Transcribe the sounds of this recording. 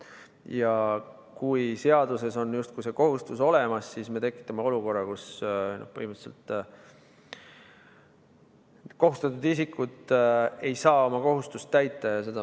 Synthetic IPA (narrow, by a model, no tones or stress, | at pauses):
jɑ | kujse̞ɑd̪use̞so̞njust̪̚kujse̞ko̞ɦust̪uso̞le̞mɑsːisme̞t̪e̞kːˑi̥t̪ːˑɑme̞o̞luko̞rːɑkusno̰hpɤ̰himisḛlt̪ˑ | ko̞ɦust̪ɑt̪ːˑud̪isikːut̪ˑe̞jsɑːo̞mɑko̞ɦust̪ust̪ːæjt̪ːˑɑjɑse̞d̪̥ɑ